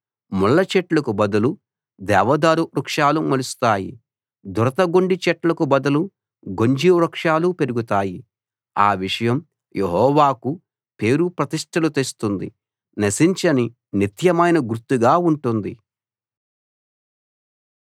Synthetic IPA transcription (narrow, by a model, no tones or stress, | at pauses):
muɭːɐt͡ʃɛʈlɐkubɐd̪ɐlu | d̪ɛːʋɐd̪aːɾuɾukʂaːlumɐlust̪aːjḭ | d̪uɾɐt̪ɐɡoɳɖit͡ʃɛʈlɐkubɐd̪ɐlu | ɡo̞ɲd͡ʒiɾɐkʂaːlupe̞ɾuɡut̪aːji | a̰ːʋiʂɐjɐm | jʔeɦɔːʋaːku | pe̞ːɾupɾɐt̪iʂʈʰɐlut̪est̪und̪ḭ | nɐsiɲt͡ʃɐni | nit̪jɐmɐjnɐɡuɾt̪ːuɡaːuɳʈund̪i